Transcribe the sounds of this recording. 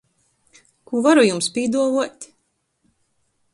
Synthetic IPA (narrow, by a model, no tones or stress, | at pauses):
kuvaɾujumspʲiːd̪uɔvuɔt̪ʲ